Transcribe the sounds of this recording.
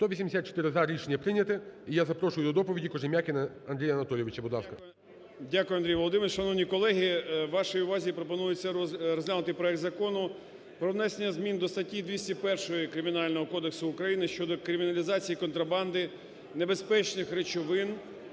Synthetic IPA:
t̪ɔʋʲisʲimd̪ʲesʲat̪̚t͡ʃe̥t̪ɪɾɪzɐɾʲiʃenʲːɐpɾɪnʲɐt̪ɪijazɐpɾɔʃʊjʊd̪ɔd̪ɔpɔʋʲidʲikɔʒɪmʲjakʲɪnɐ | ɐnd̪ɾʲijɐnɐt̪ɔlʲjeʋɪt͡ʃɐbʊd̪lˠɑskɐ | dʲakʊjʊɐnd̪ɾʲijʋɔlˠɔd̪ɪmeɾʃɐnɔʋnʲikɔlˠɛɦʲiʋːɑʃɔjiʊʋɑzʲipɾɔpɔnujʊt͡sʲːɐrɔzʲlʲanʊt̪ɪpɾɔɛkt̪zɐkɔnʊ | pɾɔʋnɛsenʲːɐzmʲind̪ɔst̪ɐtʲid̪ʲʋʲisʲtʲipɛrʃɔjikɾɪmʲɪnɑlʲnɔɦɔkɔd̪eksʊːkɾɐjinɪʃt͡ʃɔd̪ɔkɾɪmʲɪnɐlʲizɑt͡sʲijikɔnt̪ɾɐbɑnd̪ɪ | nebespɛt͡ʃnɪxɾet͡ʃɔʋɪn

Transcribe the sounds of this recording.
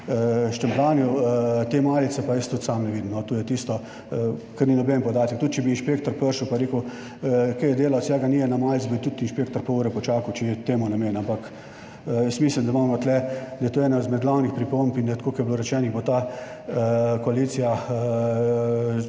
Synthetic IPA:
əʃt̪ɛmplaːnijut̪eːmaːlit̪sɛpajəst̪ut̪samnɛʋiːd̪imnɔt̪uːjɛt̪ist̪ɔ | kɛɾninɔbɛnpɔd̪aːt̪ɛk̚t̪ut̪̚t͡ʃɛbiːnʃpeːkt̪ɔɾpəɾʃupajɾeːku | kɛjɛd̪eːlawsjɛːɡaniːjɛnamalisʲbit̪ut̪inʃpeːk̚t̪ɔɾpɔuɾɛpɔt͡ʃaːkuwt͡ʃɛjɛt̪eːmunameːnampak | jəst̪miːslimd̪amammot̪lɛd̪ɐjt̪oɛːnad̪zmɛd̪d̪laːwnixpɾipompind̪ajt̪koːkɛjbloːɾɛt͡ʃɛːniɣbot̪a | koalit̪sija

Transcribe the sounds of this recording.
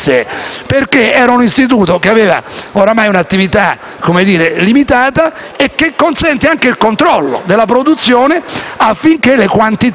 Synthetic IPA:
eperkeɛːɾaunist̪it̪̬uːt̪ok̟eaveːva̰oɾamajunat̪ːivit̪a | komed̪iːɾelimit̪aːt̪a | ekːekːonsɛnt̪eaŋkeilkont̪ɾɔlːo̰d̪elːapɾod̪ut̪sːjoːneafːiŋkelekwant̪it̪

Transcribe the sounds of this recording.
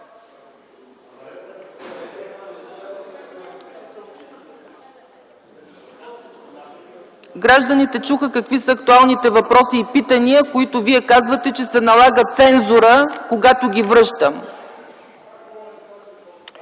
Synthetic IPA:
ɡɾaʒd̪ənit̪ɛt͡ʃuxəkəkvisəːk̚t̪ualˠnit̪ɛvɐpɾɔsiːpit̪əniəkoit̪ʊviɛkazvət̪ɛt͡ʃɛsɛnɐlˠaɡət̪sɛnzʊɾəkoɡat̪ʊɡʲivɾɤʃt̪əm

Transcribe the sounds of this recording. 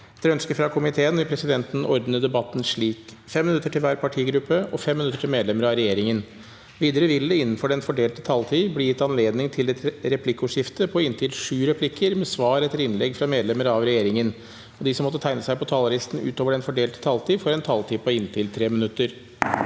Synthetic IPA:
t̪ʰɾœnskəfɾɑkʰʊmɪt̪ʰeːənʋɪlpɾɛsɪd̪ɛnt̪n̩ɔɾd̪nəd̪ɛbɑt̪ːn̩ʂɭiːk | fɛmːɪnʉt̪ːəʈʰɪlʋæːɾpʰɑʈʰiːɡɾʉpːəʔɔfɛmːɪnʉt̪ːəʈʰɪlmeːd̪lɛməɾɑʋɾɛjeːɾɪŋən | ʋiːd̪əɾəʋɪld̪ɛɪnːn̩fɔɖɛnfɔɖeːlt̪ə̥t̪ʰɑlt̪ʰiːblɪjɪt̪ːɑnleːd̪nɪŋt̪ʰɪld̪ɛt̪ʰɾɛpʰlɪkːʊʂɪft̪əpʰɔɪnt̪ʰɪlʂʉːɾɛpʰlɪkʰːəɾmɛsʋɑːɾɛt̪ːəɾɪnlɛɡfɾɑmeːd̪lɛməɾɑʋɾɛjeːɾɪŋən | ɔd̪ɪsɔmːɔt̪ːət̪æɪnəsæɪpɔt̪ʰɑːlɑɾɪst̪n̩ʉ̰ːt̪oːʋəɖɛnfɔɖeːlt̪ə̥t̪ʰɑlt̪ʰiːfɔɾɛnt̪ʰɑlt̪ʰiːpʰɔɪnt̪ʰɪlt̪ʰɾeːmɪnʉt̪ːəɾ

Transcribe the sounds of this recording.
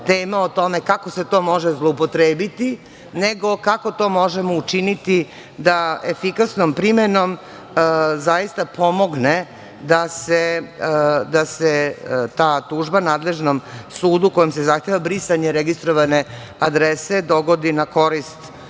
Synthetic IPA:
t̪eːmaot̪o̞me̞kakoset̪o̞ːmo̞ʒezlˠoupot̪ɾeːbit̪i | neɡo̞kako̞t̪o̞ːmo̞ʒemout͡ʃinit̪i | d̪aefikasnompɾimeno̞m | zajist̪apʰo̞mo̞ɡne | d̪ase | d̪aset̪aːt̪uːʒbanaːd̪le̞ʒnomsuːd̪uko̞jimse̞zaxt̪jeʋabɾisaɲeɾeɡist̪ɾoʋane | ad̪ɾesed̪o̞ɡo̞d̪inako̞ɾist̪

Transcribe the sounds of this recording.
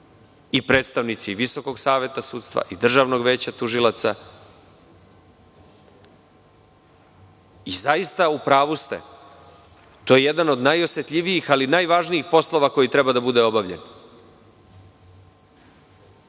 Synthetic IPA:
ipɾe̞ːt̪st̪aʋnit̪siʋiso̞ko̞ɡsaːʋe̞t̪asuːt̪st̪ʋa̰ʔid̪r̩ʒaːʋno̞ɡʋe̞ːt͡ɕat̪uʒilat̪sa | izaist̪aupɾaːʋust̪ḛ | t̪o̞jeje̞d̪ano̞d̪najo̞sjet̪ʎʲiʋijixalinajʋaːʒniixpo̞slˠo̞ʋako̞jit̪ɾe̞bad̪abud̪eo̞baʋʎḛn

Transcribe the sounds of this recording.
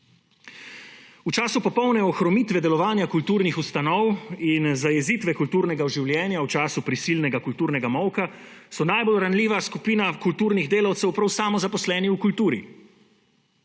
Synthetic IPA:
ut͡ʃaːsupɔpɔwnɛɔxɾɔmiːt̪ʋɛd̪ɛlɔʋaːnjakult̪uːɾnixust̪anɔwinzajɛziːt̪ʋɛkult̪uːɾnɛɡaɔʒiwlʲjɛːnjaut͡ʃaːsupɾisiːlnɛɡakult̪uːɾnɛɡamɔwka | sɔnajbolɾanliːʋaskupiːnakult̪uːɾniɣd̪eːlawt̪sɛwpɾawsaːmɔzapɔslɛːniukult̪uːɾḭ

